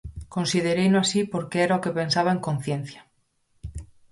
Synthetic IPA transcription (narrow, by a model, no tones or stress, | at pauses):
ko̞nsið̞eɾejnoasipo̞ɾkeeɾaoke̞pe̞nsaβaeŋkõ̞n̟θjenθjḁ